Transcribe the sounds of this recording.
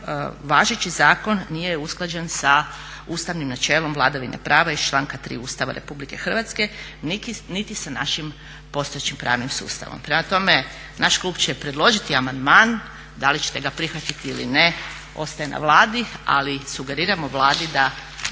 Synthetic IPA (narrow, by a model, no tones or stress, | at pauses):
ʋaːʒet͡ɕizaːko̞nːijeusklˠad͡ʑensa | ust̪aʋnimnat͡ʃe̞ːlo̞mʋlˠaːd̪aʋinḛpɾaːʋaist͡ʃlˠaːŋkat̪ɾḭːuːst̪aʋa̰ɾe̞̰publike̞xr̩ʋat̪ske̞nikinit̪isana̰ʃim | po̞st̪o̞et͡ɕimpɾa̰ːʋnimsṵːst̪a̰ʋo̰mpɾemat̪o̞me | nʔaʃklˠuːbt͡ɕepɾe̞d̪lˠo̞ʒit̪iamand̪maːn | d̪alit͡ʃe̥t̪e̞ɡapɾixʋat̪it̪iilḭne | o̞̰st̪aje̞na̰ʋlˠaːd̪ia̰lisuɡe̞ɾiːɾamoʋlˠaːd̪id̪a